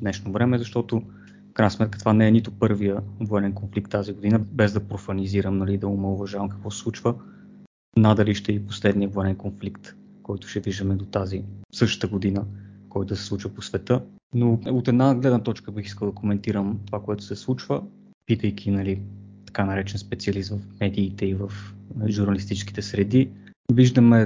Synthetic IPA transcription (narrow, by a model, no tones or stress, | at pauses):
d̪nɛʃnovɾɛmɛzɐʃt̪ɔt̪ʊ | fkɾajnəsmɛt̪kət̪ovanɛːnit̪ʊpɤɾvijəvoɛnɛnkonflik̚t̪ːaziɡod̪inəbɛzd̪ɐpɾofɐniziɾəmnɐlid̪ɐʊmɛʊvɐʒavɐmkə̥kvɔsɛ̥sˠut͡ʃvə | nad̪ɐliʃt̪ɛiposlɛd̪nijəvoɛnɛnkonflikt̪ | kɔjt̪ʊ̥ʃɛviʒd̪əmɛd̪ot̪azisɤʃt̪ə̥t̪əɡod̪inəkɔjt̪ʊd̪əsɛsˠut͡ʃvəposvɛt̪ɤ | noot̪ɛd̪naɡlɛd̪nət̪ɔt͡ʃkəbixiskəlˠd̪ɐkomɛnt̪iɾəmt̪ovakoɛt̪ʊ̥sɛslˠut͡ʃvə | pit̪əjk̟ʰʲinɐlit̪ɐ̥kanɐɾɛt͡ʃɛnspɛt̪siɐlist̪vəfmɛd̪iːt̪ɛivəfʒuɾnɐlist̪it͡ʃɛ̥ski̥t̪ɛsɾɛd̪i | viʒd̪əmɛ